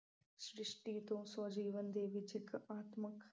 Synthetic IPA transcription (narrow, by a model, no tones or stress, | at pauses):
ʃɾɪʂʈiːt̪õːsod͡ʒiːʋənd̪eːʋid͡ʒɪkaːt̪mək